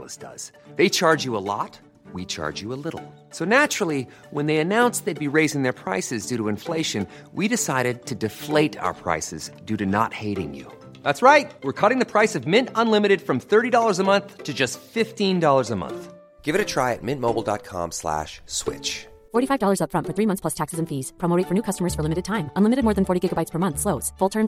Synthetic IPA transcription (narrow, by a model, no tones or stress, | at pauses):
lə̰sd̥ʌ̰z̥ | ðeɪt͡ʃʰɑɹd͡ʒɨəlɔ̰t̚ | wit͡ʃʰɑ̰ɹd͡ʒɨəlɪɾl̩ˠ | soʊnæt͡ʃɹl̩ˠi | wə̃nðeɪɨnãʊ̃nsðeɪd̚biɹeɪzɪ̃ŋðə˞pʰɹ̥aɪsɨzdʉɾəɨ̃ɱfleɪʃɨ̃n | wiɾɨsaɪɾɨd̚tʰɨdɨfleɪɾa̰ʊə̰˞pʰɹ̥a̰ɪsɨ̰zdʉɾɨnə̰t̚heɪɾɪ̰̃ŋjʉ̰ | ðætsɹaɪt̚wɨɹkʰʌɾɪ̃ŋðɨpʰɹ̥aɪsʌvmɪ̃ntə̃nlɪ̃mɨɾɨd̥fɹʌ̃mθɜ˞ɾidɔlˠə˞zəmʌ̃nθtʰɨd͡ʒʌstfɪftĩndɔlˠə˞zəmʌ̰̃nθ | ɡ̥ɪvɨɾɨtʰɹ̥aɪɨ̰t̚mɪ̃nmoʊbl̩ˠdɑ̰t̚kʰɑ̰̃mslæ̰ʃswɪ̰t͡ʃ | fɔɹɾifaɪvdɔlˠə˞zʌpfɹʌ̃nfə˞θɹimʌ̃nθspʰlʌstʰæksɨzɨ̃nfiz̥pʰɹ̥ɑmoʊeɪtfə˞nʉkʰʌstəmə˞z̥fə˞lɪ̃mɨɾɨd̚tʰãɪ̃mə̃nlɪmɨɾɨd̚mɔːɹðɨ̃nfɔɹɾiɡɪɡəbaɪtspʰə˞mʌ̃nθsloʊz̥fʊlˠtʰɜ̃˞m